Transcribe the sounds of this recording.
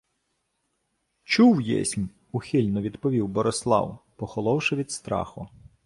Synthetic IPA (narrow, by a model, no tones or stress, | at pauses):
t͡ʃuwjɛ̰sʲmʲ | uxʲilʲnɔʋʲid̪pɔʋʲiwbɔɾɔslˠɑ̰wpɔxɔlˠɔwʃɪʋʲid̪st̪ɾɑ̰xʊ